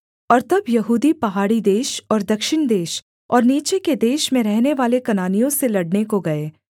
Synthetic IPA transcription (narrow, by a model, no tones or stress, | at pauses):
ɔːɾt̪ɐbjɐɦuːd̪ipɐɦaːɽid̪eːʃɔːɾd̪ɐkʃɪɽ̃d̪eːʃ | ɔːɾniːt͡ʃeked̪eːʃmẽɾɛɦneʋaːlekɐnaːnijõselɐɽnekoɡɐeː